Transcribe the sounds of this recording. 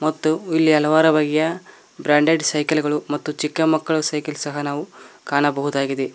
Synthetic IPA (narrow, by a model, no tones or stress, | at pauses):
mɐt̪ːuilːiɐlɐʋaːɾɐbaːɡijɐ | bɾaːɳɖeɖsɐjkɐlɡɐɭumɐt̪ːut͡ʃikːɐmɐkːɐɭusɐjkɐlsɐɦɐnaːʋukaːɳɐbɐɦud̪aːɡid̪e